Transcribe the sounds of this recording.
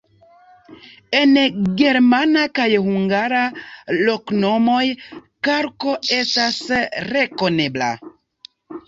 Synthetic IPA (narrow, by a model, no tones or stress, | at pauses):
e̞nɡe̞ɾmanakajhuŋɡaɾalokno̞mo̞jkaɾko̞e̞stasɾe̞ko̞ne̞bla̰